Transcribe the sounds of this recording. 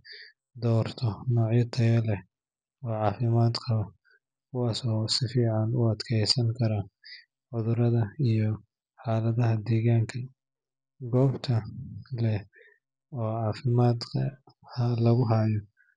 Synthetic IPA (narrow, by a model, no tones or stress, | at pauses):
d̪ɔːrt̪ʰɔnɔːʕjɐt̪ʰɐjɐlɛ | ɔːʕɑːfɪmaːd̪kʰɐβɐ | kʰʊwaːsɔːsɪfiːʕɑnʊɐd̪kʰɛjsɐŋkʰɐɾɐ | ʕʊðʊɾɐðɐijɔ | ħaːlɐðɐɦɐd̪ɛːɣaːŋkʰɐ | ɡɔːbt̪ʰɐlɛ | ɔːʕɑːfɪmaːd̪kʰɐ | hɐlɐɣʊɦaːjɔ